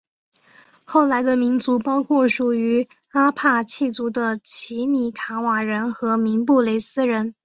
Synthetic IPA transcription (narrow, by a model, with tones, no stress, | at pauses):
xo˥˩ʊla˧˥ɪd̪ə˧mi˧˥nt͡su˧˥pɑ˥ʊkʰwɔ˥˩ʂu˨˩y˧˥ | a˥pʰa˥˧t͡ɕʰi˥˩t͡su˧˥d̪ə˧t͡ɕʰi˧˥ni˨˥˩kʰa˧˥wa˨˩ɻə˧˥nxɤ˧˥mi˧˥ŋpu˥˩le˧˥ɪsɹ̩˥ɻə˧˥n